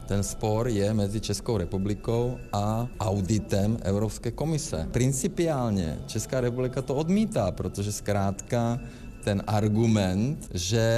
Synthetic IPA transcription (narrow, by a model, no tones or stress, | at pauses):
t̪ɛnspoɾjɛmɛd͡zit͡ʃɛskoʊɾɛpublikowaʔawd̪it̪ɛmʔɛ̰ʊɾopskɛːkomisɛ̰pɾint͡sipiaːlɲɛ̰t͡ʃɛskaːɾɛpublikat̪ood̪miːt̪aːpɾot̪oʒɛskɾaːt̪ka | t̪ɛnʔaɾɡumɛnt̪ʒɛ